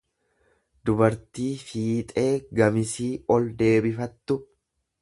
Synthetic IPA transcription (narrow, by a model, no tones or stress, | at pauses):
d̪ʊbɐɾt̪iːfiːt̪ʼe̞ːɡɐmɪsiːʔɔld̪e̞ːbɪfɐt̪ːʊ